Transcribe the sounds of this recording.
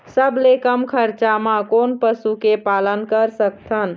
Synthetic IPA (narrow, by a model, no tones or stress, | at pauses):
səblekəmkʰəɾt͡ʃamãkonpəsukepalənkəɾsək̚t̪ʰən